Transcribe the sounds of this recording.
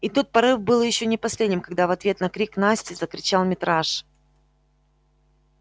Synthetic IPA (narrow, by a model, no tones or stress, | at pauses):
ɪt̪ut̪̚pɐɾɨfbɨlˠjɪɕːonʲɪpɐsʲlʲedʲnʲɪmkɐɡd̪avɐt̪vʲe̞t̪nɐkɾʲiknasʲtʲɪzəkɾʲɪt͡ɕalˠmʲɪt̪ɾaʂ